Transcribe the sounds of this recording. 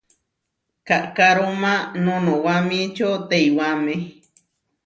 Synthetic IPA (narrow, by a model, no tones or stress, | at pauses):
kaʔkaɾomãnõnõwamĩt͡ʃot̪eiwame